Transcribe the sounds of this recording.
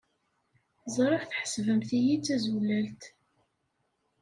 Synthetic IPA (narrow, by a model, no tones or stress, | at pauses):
zˤɾˤɑfθħə̥svəmθijit͡sːæzulælt̪